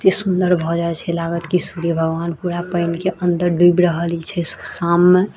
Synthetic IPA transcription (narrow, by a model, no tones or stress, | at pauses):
d͡ʒesund̪əɾbʱɔd͡ʒaɛt͡ʃʰɛlaɡət̪kisuɾiebʱəɡʋanpuɾapəɪnkeʔənd̪əɾɖuibɾəɦəlit͡ʃʰɛsu̥samːe